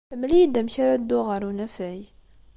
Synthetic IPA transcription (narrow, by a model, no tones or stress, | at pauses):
əmlijd̪æmçaɾad̪ːʊʁəɾunæfæj